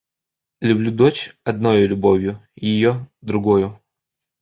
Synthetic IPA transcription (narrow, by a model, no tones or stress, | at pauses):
lʲʊblʲud̪ot͡ɕɐd̪̚nojʊlʲʊbovʲjʊjɪjod̪ɾʊɡojʊ